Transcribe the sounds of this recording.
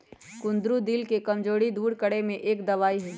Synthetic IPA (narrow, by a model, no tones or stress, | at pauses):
kʊ̃nd̪ɾud̪ɪlkekɐmd͡ʒoːɽid̪uːɾkəɽemẽʔeːkd̪ɐʋaːiɦɛː